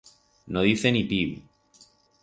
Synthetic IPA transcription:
noðiθenipiβḭ

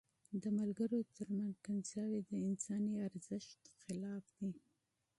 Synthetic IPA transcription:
d̪əmalɡəɾot̪ʰəɾmanzkansjɑwid̪əɪnsɑniaɾzəʃt̪xɪlɑfd̪̥i

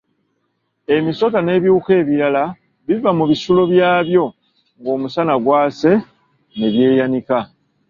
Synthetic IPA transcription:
e̞miso̞tane̞ːβjiuke̞ːβiɾala | βivamuβisulo̞βjaːβjo̞ | ŋɡo̞ːmusanaɡwaːse̞ | ne̞βje̞ːjanika

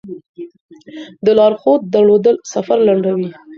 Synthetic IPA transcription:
d̪əlɑɾxot̪̚d̪əɭod̪əlsafaɾlaɳɖawi

